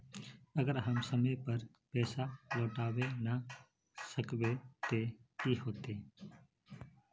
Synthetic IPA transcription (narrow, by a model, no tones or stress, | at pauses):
əɡəɾɦəmsəməjpəɾ | pɛːsaloːʈaːʋena | səkʋet̪eiːhoːt̪eː